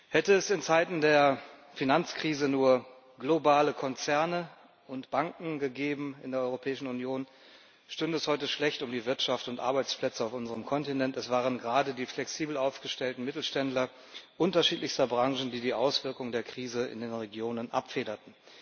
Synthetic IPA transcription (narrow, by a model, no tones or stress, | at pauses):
hɛtəɛsɪnt͡saɪtn̩deːɐfinant͡skʁ̥iːzənuːɐ | ɡlobaːləkʰɔnt͡sɛɐnə | ʔʊntb̥aŋkŋ̩ɡəɡeːbm̩ɪ̰ndeɐɔʏʁopʰɛːɪʃn̩unjoːn | ʃtʏndɛshɔʏtəʃlɛçtʊmdiːvɪɐtʃaftʊntʔa̰ɐbaɪt͡splɛt͡səaʊfʔʊnzəʁəmkʰɔntinɛntɛsv̥aːʁənɡəʁaːdədiːflɛksiːbl̩aʊfɡ̥əʃtɛltn̩mɪtl̩ʃtɛntlɐ | ʔʊntɐʃiːtlɪçstɐbʁaŋʒn̩diːdiːʔaʊsv̥ɪɐkʊŋədeːɐkʁ̥iːzəɪ̰ndeːnʁeɡjoːnənʔa̰pfeːɾɐtn̩